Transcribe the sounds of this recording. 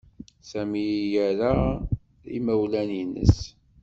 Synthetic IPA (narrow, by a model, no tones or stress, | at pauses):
sæmijæɾa | ḭmæwlæninə̰s